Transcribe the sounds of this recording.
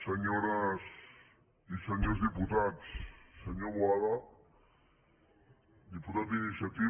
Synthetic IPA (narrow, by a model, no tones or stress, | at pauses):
sɐɲoɾas | isɐɲozd̪iput̪at̪sːɐɲobwala | d̪iput̪at̪inisjat̪i